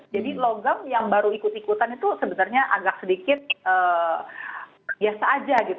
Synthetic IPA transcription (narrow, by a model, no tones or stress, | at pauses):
d͡ʒadiloɡamjaŋbaɾuikut̪ikut̪anit̪usəbənarɲaʔaɡak̚sədikɪt̪̚əː | biasaːd͡ʒaɡit̪